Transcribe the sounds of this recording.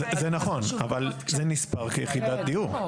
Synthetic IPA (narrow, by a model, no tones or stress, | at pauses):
ezenaχo̞navalzenispaʁkejeχid̪at̪̚d̪ijuʁ